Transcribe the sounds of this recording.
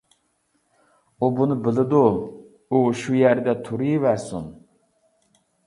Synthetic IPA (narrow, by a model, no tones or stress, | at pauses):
ubunɨbɪlˠɪd̪uː | ʃujæɾd̪ɛt̪ʰuɾɨjvæɾsun